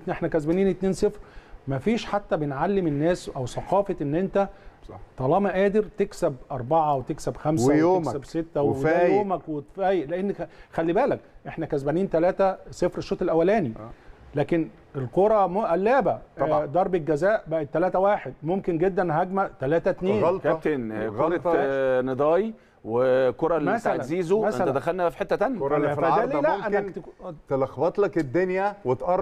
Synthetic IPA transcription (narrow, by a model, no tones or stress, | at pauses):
ʔeħnækæzbæniːnet̪neːnsˤefɾmæfiːʃħat̪ːæbenʕalːemenːæːsʔæwsɑqɑːfɑʔenːʔent̪æt̪ˤɑlɑːmæʔæːd̪eɾt̪eksæbʔɑɾˤbɑʕɑwet̪eksæbxæmsæwjoeksæbset̪ːæweæjoːmækwefæːjeʔleʔenːxælːibæːlækʔeħnækæzbæniːnt̪ælæːt̪æsˤefɾeʃːoːt̪ˤelʔæwːælæːnilæːken | elqoɾˤɑmʔælːæːbæd̪ˤɑɾˤbelɡæzæːʔbæʔet̪ːælæːt̪æwæːħed̪̚momkenɡed̪ːænɦæɡmæʔt̪ælæːt̪æt̪niːnlkæt̪enɣoɾˤɑt̪ned̪ˤɑːji | wekoɾˤɑlmæsaælʕæziːzomæelt̪æd̪æxælnæfiħet̪ːæt̪ænjææællæʔʔænːæt̪t̪elɑxbɑt̪ˤlæked̪ːonjæwet̪ʔɑˤ